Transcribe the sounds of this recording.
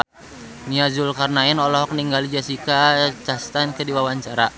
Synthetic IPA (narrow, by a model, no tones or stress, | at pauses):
niazʊlkarnaɛnɔlɔɦɔk̚niŋɡalid͡ʒasikat͡ʃast̪ankədiwawaɲt͡ʃaɾa